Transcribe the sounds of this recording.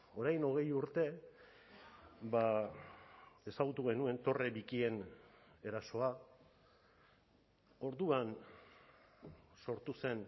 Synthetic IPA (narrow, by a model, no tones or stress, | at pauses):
o̞ɾajno̞ɣ̞e̞juɾt̪e̞ | ba | e̞saɣ̞ut̪uɣ̞e̞nue̞nt̪o̞reβikie̞ne̞ɾaso̞a | o̞ɾðuan | so̞ɾt̪use̞n